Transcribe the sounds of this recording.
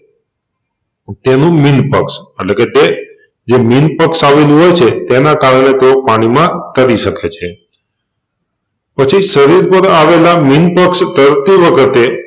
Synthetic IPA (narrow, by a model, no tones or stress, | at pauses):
t̪enũminpə̰kseʈleket̪e | d͡ʒeminpəksaʋelũɦojt͡ʃʰet̪enakaɾəɽ̃et̪eopaɽ̃imãt̪əɾiʃəket͡ʃʰe | pət͡ʃʰiʃəɾiɾpəɾaʋelaminpəksd̪əɾt̪iʋəkʰət̪e